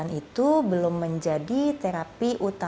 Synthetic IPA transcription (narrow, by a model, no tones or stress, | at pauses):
anit̪ubəlʊmːəɲd͡ʒadit̪eɾapiʔut̪a